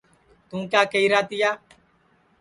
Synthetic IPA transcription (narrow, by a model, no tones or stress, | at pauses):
t̪ũːkjaːkəiːɾaːt̪ɪjaː